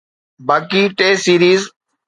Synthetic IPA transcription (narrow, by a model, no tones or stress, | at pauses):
baːkiːʈeːsiːɾiːz